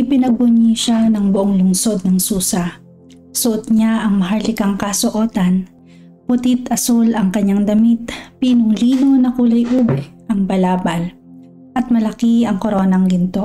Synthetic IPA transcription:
ʔɪpɪnɐɡ̚bʊɲiʃanɐŋbʊʔoŋlʊŋso̞d̪̚nɐŋsuːsɐ | sʊʔot̪̚ɲaʔɐŋmɐɦɐɹlɪkɐŋkɐsoʔo̞ːt̪ɐn | pʊt̪it̪ɐsulɐŋkɐɲːaŋd̪ɐmit̪̚piːnʊŋliːnonɐkulɐjʔuːbɛʔɐŋbɐlaːbɐl | ʔɐt̪̚mɐlɐkiɐŋkoɾo̞ːnɐŋɡɪnt̪o̞

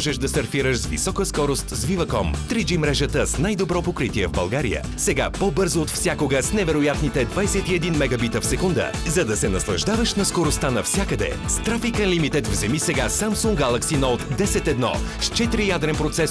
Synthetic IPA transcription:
ʒɛʃd̪ɐsɐɾfiɾəʃzvḭsɔkəskɔɾost̪zvivəkɔmt̪ɾid͡ʒimɾɛʒət̪əsnajd̪obɾɔpokɾit̪iɛvbɐlˠɡaɾḭjə̰sɛɡa̰pɔbɤɾzoːt̪fsʲjakoɡəsnɛvɛɾojat̪nit̪ɛd̪vajsɛt̪iɛd̪inmɛɡɐbit̪əfsɛkund̪ə̰ | zɐd̪ɐsɛnɐslˠɐʒd̪avəʃnɐskoɾost̪anɐfsʲjakəd̪ɛ̰ | st̪ɾafikənlimit̪ɛt̪vzɛmisɛɡasamsuŋɡɡalˠɐksinɔot̪d̪ɛsɛt̪ɛd̪nɔ̰st͡ʃɛt̪iɾijad̪ɾɛnpɾot̪sɛs

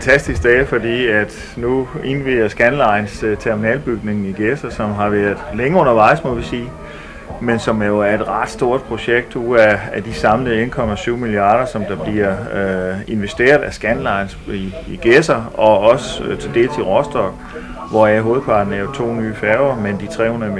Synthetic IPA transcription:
ænt͡sʰæsd̥isɡ̥̚d̥ɛːfɒ̽d̥ḭːæd̥ | nue̝nʋiðˠɐsɡ̥ænlɑ̈ɪnst͡sʰeɐminɛ̰ːlb̥yɡ̥ne̝ŋn̩iɡ̥esɐsɒ̽mɦɑ̈ʋæɐðˠleŋəɔ̽nɐʋɑ̈ɪ̰smɔ̽ʋisiː | mensɒ̽mjo̝æɐe̝d̥ʁɑ̈d̥sd̥o̝ɐd̥̚pʰʁo̝ɕeɡ̥̚d̥uæːd̥isɑ̈mləe̝nkʰɒ̽mæsyːʊmiliɑ̈ːɾ̥ɐsɒ̽md̥ɑ̈b̥liɐ | e̝nʋesd̥e̝̰ːɐð̞ˠæsɡ̥ænlɑ̈ɪnsiːɡ̥esɐɒ̽ɒ̽sət͡sʰe̝ld̥e̝̰ːlsiʁɒsd̥ɒ̽ɡ̥ | ʋɒæɦo̝ːð̩ˠpʰɑ̈ːd̥n̩æjot͡sʰo̝̰ːnyːfæɐʊɐmend̥it͡sʰʁɛ̰ːhonm

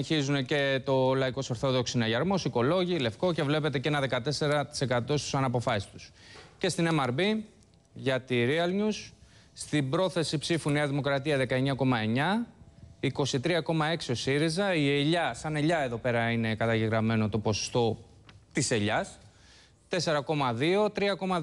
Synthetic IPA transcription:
çizune̞ce̞t̪o̞lɐiko̞sɐɾθo̞ðo̞ksinɐʝɐɾmo̞siko̞lo̞ʝile̞fko̞ce̞vle̞pe̞t̪e̞cenɐðe̞kɐt̪e̞se̞ɾɐt̪i̥se̞kɐt̪o̞st̪u̥sɐnɐpo̞fɐsi̥st̪u̥sce̞st̪inemɐɾbi | ʝɐt̪iɾiɐlɲus | st̪ibɾo̞θe̞sipsifuniɐðimo̞kɾɐt̪iɐðe̞kɐeɲɐko̞mɐe̞ɲɐ | iko̞sit̪ɾiɐko̞mɐe̞ksio̞siɾizɐieʎɐsɐne̞ʎɐe̞ðo̞pe̞ɾɐine̞kɐt̪ɐʝeɣɾɐme̞no̞t̪o̞po̞so̥st̪o̞ | t̪ise̞ʎɐs | t̪e̞se̞ɾɐko̞mɐðio̞t̪ɾiɐko̞mɐ

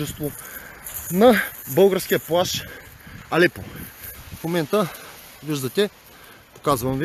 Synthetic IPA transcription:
ɛst̪vo | nɐbɤlˠɡəɾsk̟ijəplˠaʃ | ɐlɛpofmomɛnt̪ə | viʒd̪ɐt̪ɛ | po̥kazvɐmvi

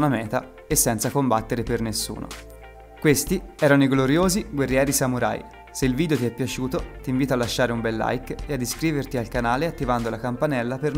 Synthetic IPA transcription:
namɛːt̪a | esːɛnt̪sakombat̪ːeɾepernesːṵːno̰ | kwest̪iɛːɾanoiɡloɾjoːziɡwerːjɛːɾisamuɾa̰j | seilviːd̪ejot̪iɛpːjat͡ʃuːt̪ot̪iɱviːt̪alːaʃːaːɾeumbɛlːa̰jkead̪ːiskɾiːvert̪ialkanaːleat̪ːivand̪olakampanɛlːaper

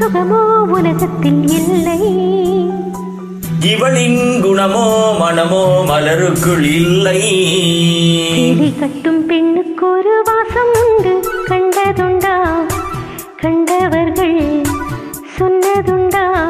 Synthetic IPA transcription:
ʊɣɐmoːʊlɐɣɐt̪ːɪlɪlːɐj | ɡɪʋɐɭɪnɡʊɳɐmoːmɐnɐmoːmɐlɐɾɯkːɯɭɪlːɐɪ | seːlikɐʈːɯmpɛɳːɯkːɔɾɯʋaːsɐmnd̪ɯkɐɳɖɐðɯɳɖaː | kɐɳɖɐʋɐɾɣɐɭ | sɔnːɐðɯɳɖaː

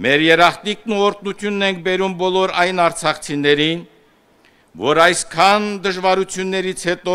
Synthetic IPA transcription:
mɛɾjɛɾɑχt̪iknuɔɾt̪nut̪ʰjunːɛŋk̚ʰbɛɾumbɔlɔɾɑjnɑɾt͡sʰɑχt͡sʰinɛɾin | vɔɾɑjskʰɑnd̪əʒvɑɾut͡sʰjunːɛɾit͡sʰhɛt̪ɔ

